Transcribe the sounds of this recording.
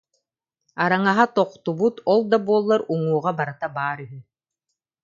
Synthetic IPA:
aɾaŋaɦat̪ɔqt̪ubut̪ɔlˠd̪abuɔlˠːaɾuŋuːʁabaɾat̪abaːɾyɦy

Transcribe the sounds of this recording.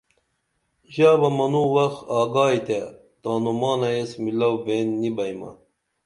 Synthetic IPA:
ʑaːbɐmɐnuwɐxɑːɡaːjt̪e | t̪aːnumɑːnɐesmilɐwbeːnːibɐjmɐ̰

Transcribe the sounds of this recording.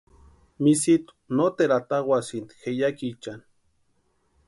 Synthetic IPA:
misit̪u̥not̪eɾat̪aɣwʷasint̪i̥xejakit͡ʃan

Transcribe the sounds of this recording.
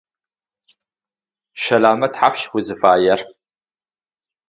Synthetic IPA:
ʃɐlaːmɐtħapʰʃxʷʊzɨfaːjɐr

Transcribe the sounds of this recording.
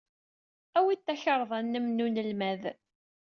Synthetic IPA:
æwit̪ːæçəɾˤðˤænːəmnunəlmæð

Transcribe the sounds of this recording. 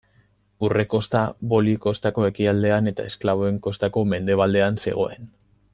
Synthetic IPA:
ure̞ko̞st̪aβo̞liko̞st̪ako̞e̞kiald̪e̞ane̞t̪a̰e̞sklaβo̞e̞ŋko̞st̪ako̞me̞nd̪e̞β̞ald̪e̞anse̞̰ɣ̞o̞e̞n

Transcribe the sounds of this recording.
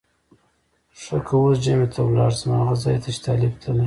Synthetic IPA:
ʂəkʰawosʒamet̪ʰawlɑ̰ɽzmaaɣazɑjt̪ʰat͡ʃi̥t̪ʰɑlɪbt̪ʰana

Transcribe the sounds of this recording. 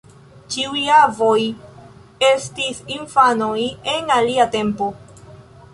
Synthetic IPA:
t͡ʃiuavo̞j | estisiɱfanoje̞naliate̞mpo̞

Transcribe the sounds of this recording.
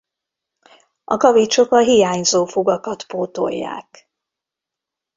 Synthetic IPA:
ʔɒ̰kɒvit͡ʃo̞kɒɦijaːɲzoːfoɡɒkɒt̪poːt̪o̰jːa̰ːk

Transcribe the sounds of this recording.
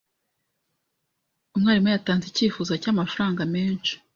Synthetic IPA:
umŋaːɾimwejataːnziciːfuːzacamafaɾaːŋɡameːnt͡ʃi̥

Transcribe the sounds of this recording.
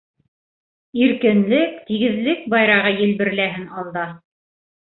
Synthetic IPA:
iɾkɘ̆nlɘkt̪iɡɘ̆ðlɘk̚bɑjɾɑʁɤjɘ̆lbɘ̆ɾlæɦɘnɑlˠd̪ɑ

